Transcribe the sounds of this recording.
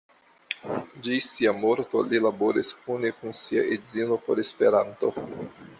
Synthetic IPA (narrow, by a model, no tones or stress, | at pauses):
d͡ʒisiamoɾto̞̰lilabo̞ɾisunekunsia̰ʔedzilo̞po̞ɾe̞spe̞ɾanto̞̰